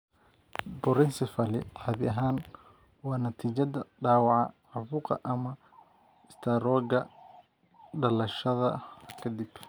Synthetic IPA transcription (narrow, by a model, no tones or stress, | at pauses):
bɔɾɪnsɪfɐlɪ̰ʕaːβɪʔɐɦaːn | wɑːnɐt̪ʰiːt͡ʃɐðɐɖaːwɑʕɑ̰ħʊfuːqɑ̰ʔɐmɐ | ɪst̪ʰaɾɔːɡɐ | ɖɐlɐʃɐðɐkʰɐd̪ib̥